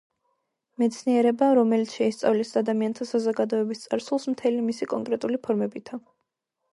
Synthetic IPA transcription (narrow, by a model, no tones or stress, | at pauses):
mɛt̪sʰniɛɾɛbaɾɔmɛlit̪sʰʃɛist̪sʼa̰vlisad̪amiant̪ʰasazɔɡad̪ɔɛbist̪sʼaɾsulˠsmt̪ʰɛlimisikʼɔŋkʼɾɛt̪ʼulipʰɔɾmɛbit̪ʰa